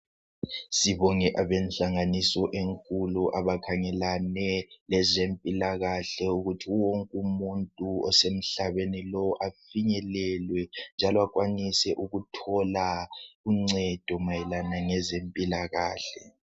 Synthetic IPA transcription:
siβɔŋɛʔaβɛnɬaŋanisɔʔeŋkʼuluʔaβakʰaŋɛlanɛlɛzempʼilaɣaɬɛuɣutʰiwoŋkʼumuntʼuɔsem̩ɬaβenilɔʔafiɲɛlɛlwɛnd͡ʒʱalɔakwanisɛʔuɣutʰɔlauŋ͡ǀɛd̥ʱɔmajɛlanaŋɛzempʼilaɣaːɬɛ

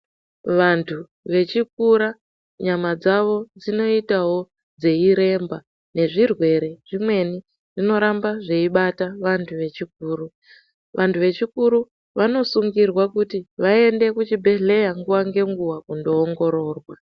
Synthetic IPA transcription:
ʋantʰu | ʋe̞t͡ʃik̚uɾa | ɲamad͡zaʋo̞d͡zino̞itaɦo̞ | d͡ze̞iɾe̞mba | ne̞ʐirwe̞ɾe̞ʐimwe̞ni | ʐino̞ɾambaʐe̞iɓataʋantʰuʋe̞t͡ʃik̚uːru | ʋʔantʰuʋe̞t͡ʃikuɾu | ʋano̞suŋɡirwakutiʋae̞nde̞kut͡ʃibʱe̞ɮe̞jaŋɡuwaŋɡe̞ŋɡuwakundo̞ːŋɡo̞ɾo̞ːrwa

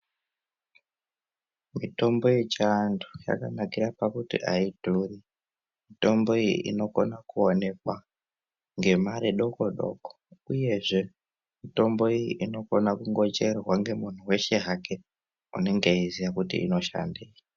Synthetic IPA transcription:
mito̞mbo̞jet͡ʃandu̥ja̰kanakiɾapakutḭʔaidʱuːri | mito̞mbo̞ijḭʔḭno̞ko̞nakuone̞kwa | ŋɡe̞maɾiɗo̞koɗo̞̰ko̥uje̞ʐe̞ | mito̞mbo̞ijḭʔino̞ko̞nakuŋɡo̞t͡ʃe̞rwaŋɡe̞mun̤uwe̞ʃe̞ɦake | une̞ŋɡeizijakutḭḭno̞ʃa̰ndeːja

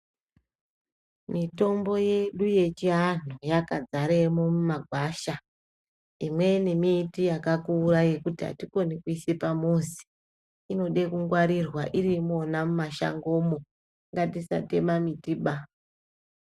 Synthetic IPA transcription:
mito̞mbo̞je̞ɗuje̞t͡ʃiɦanujakad͡zaɾemomumaɡʱwaːʃa | imwe̞nemiːtijakakuːraje̞kutiɦa̰tiko̞nekuisepamuzi̥ | ino̞ɗe̞kuŋɡwaɾirwaʔiɾimo̞namumaʃa̰ŋɡo̞mo | ŋɡatisa̰te̞mamitiɓa

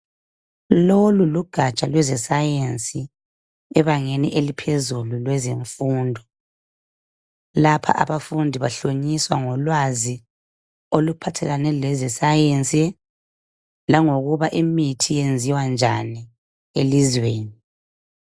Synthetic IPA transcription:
loluluɡ̥ʱat͡ʃʼalwɛzɛsajensʼi | ɛβaŋeniʔelipʰezululwɛzeɱfuːndʱɔ | lapʰa̰ʔa̰βafundʱiβaɬoɲiswaŋɔlwazi | olupʰatʰɛɣanɛlɛzɛsajensʼi | laŋoɣuβaʔimitʰijend͡zʱiwand͡ʒʱani | elizweːni

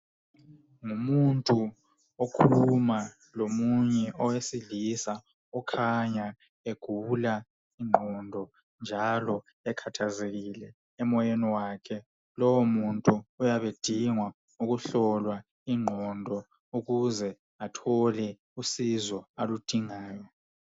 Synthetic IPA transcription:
ŋumuntʼu | okʰuluma | lomuɲɛʔɔwesiɮisa | ɔkʰaɲa | eɡ̥ʱula | iŋ͡ǃʱɔndʱɔ | nd͡ʒʱalɔ | ɛkʰatʰazeɣilɛ | ɛmɔjeniwakʰɛ | lɔwomuntʼuujaβed̥ʱiŋwa | uɣuɬɔlwa | iŋ͡ǃʱɔndʱɔ | uɣuzɛ | atʰɔlɛ | usizɔalud̥ʱiŋaːjɔ

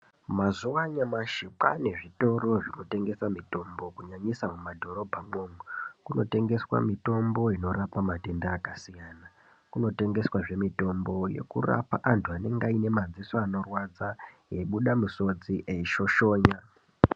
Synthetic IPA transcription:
mazuʋaɲamaʃipa̰ne̞ʐito̞ro̞ʐinote̞ŋɡe̞samito̞mbo̞kuɲaɲisamumadʱo̞ɾo̞bʱamoːmukuno̞te̞ŋɡe̞swa̰mito̞mbo̞ino̞ɾapamate̞ndaːkasijaːna | kuno̞te̞ŋɡe̞swaʐe̞mito̞mbo̞je̞̰kura̰pa̰ʔantʰuane̞ŋɡaine̞mad͡zisoano̞rwad͡za | je̞ɓuɗamuso̞d͡ziʔeiʃo̞ʃo̞ːɲa

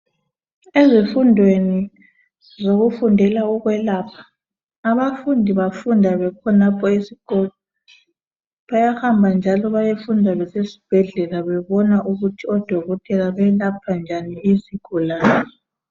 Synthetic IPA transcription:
ezifundʱweni | zoɣufundʱɛlaɔɣwɛlapʰḁː | βafundʱiβafundʱaβɛkʰɔnapʰɔesiɡ̥ot | i̥ | βajahambʱand͡ʒʱalɔβajefundʱalɛsesi̥b̥ʱɛɮɛlaβɛβɔnaʔuɣutʰiɔd̥ʱɔɣɔtʰʼɛlaβɛlapʰand͡ʒʱaniiziɡ̥ʱulaːnɛ

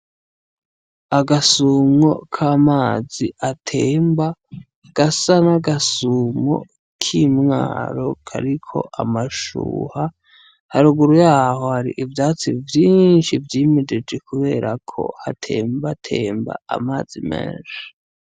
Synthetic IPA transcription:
aɡasuːmŋo̞kʰaːmaːziʔatʰeːmba | ɡ̥asanaɡasuːmo̰ | kʰimŋa̰ːɾo̞kʰa̰ɾikʰo̞̰ʔamaʃṵːha | haɾuɡuɾujaːho̞haɾḭʔivjaːt͡sivjiːnʃivjiːmed͡ʒe̞d͡ʒe̞kuβe̞ːɾʔakʰo̞̰hatʰe̞̰ːmbatʰe̞ːmba̰a̰maːz̥imḛːnʃi̥

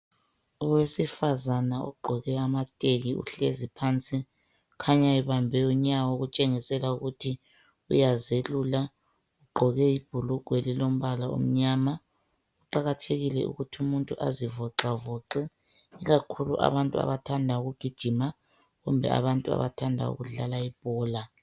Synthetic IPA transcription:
ɔwesifazanaṵɡ͡ǃʱɔɣɛamatʼeɣiṵɬezipʰant͡sʼi | kʰaɲaiβambʱɛuɲawɔɣut͡ʃʼeŋisɛlauɣutʰi | ṵjazelula | uɡ͡ǃʱɔɣɛib̥ʱuluɡ̥ʱwelilom̩βalaṵm̩ɲaːma | uǃaɣatʰeɣilɛṵɣutʰiumuntʼuʔa̰zivɔǁavɔǃɛ | iɣakʰulṵʔa̰βantʼua̰βatʰandʱauɣuɡ̥ʱid̥ʒ̥ʱima | ɣumbʱɛ̰a̰βantʼua̰βa̰tʰandʱa̰ṵɣuɮalaib̥̚ʱɔːla

